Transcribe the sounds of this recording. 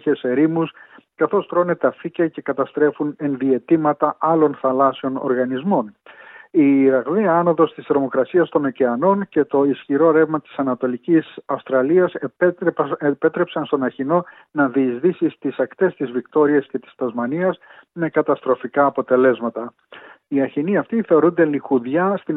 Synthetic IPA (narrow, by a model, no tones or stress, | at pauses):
çeseɾimuskɐθo̞spɾonet̪ɐficɐce̞kɐt̪ɐst̪ɾe̞fune̞nðie̞t̪imɐt̪ɐʔɐlo̞nθɐlɐseo̞no̞̰ɾɣɐnizmo̞n | iːɾɐɣðiɐɐno̞ðo̞st̪ist̪ɾo̞mo̞kɾɐsiɐst̪o̞noceɐno̞nce̞t̪o̞isçiɾo̞ɾe̞vmɐt̪i̥sɐnɐt̪o̞licisɐfst̪ɾɐliɐsppe̞t̪ɾe̞psɐnst̪o̞nɐçino̞ | nɐðiːzðisist̪isɐkt̪e̞st̪izvikt̪o̞ɾiɐsce̞t̪i̥st̪ɐzmɐniɐz | me̞kɐt̪ɐst̪ɾo̞fikɐːpo̞t̪e̞le̞zmɐt̪ɐ | iɐçiniɐft̪iθe̞o̞ɾund̪e̞lixuðʝɐst̪i